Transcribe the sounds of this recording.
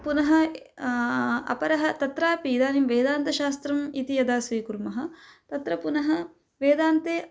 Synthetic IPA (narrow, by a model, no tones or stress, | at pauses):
punɐɦɐ̆ | ɐ̰pɐɾɐɦɐt̪ɐt̪ɾaːpid̪aːnimʋeːd̪aːnt̪ɐʃaːst̪ɾɐmit̪ijɐd̪aːsʋiːkuɾmɐɦɐ̆t̪ɐt̪ɾɐpunɐɦɐ | ʋeːd̪aːnt̪eː